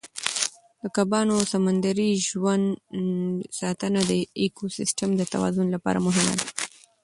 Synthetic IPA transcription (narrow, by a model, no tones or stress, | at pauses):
d̪əkabɑnosamand̪aɾiʒwand̪ | sɑt̪ənad̪əekosɪsʈəmd̪ət̪awɑ̰zʊnlapɑ̰ɾa̰mʊɦɪma̰d̪a